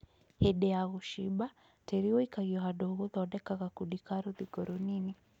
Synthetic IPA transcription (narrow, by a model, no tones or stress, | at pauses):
hɛɗɛaɣuʃiba | tɛɾiɔikaɣiɔɦaɗɔɣuðɔɔɗɛkaɣakuɗikaɾuðiɡɔɾɔnini